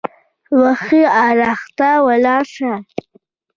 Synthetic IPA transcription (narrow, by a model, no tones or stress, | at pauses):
waxiaɾaxt̪awalɑʂa